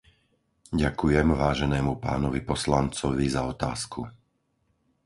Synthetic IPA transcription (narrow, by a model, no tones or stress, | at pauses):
ɟakujɛmʋaːʒɛnɛːmupa̰ːnɔʋipɔslant͡sɔʋizaɔt̪a̰ːsku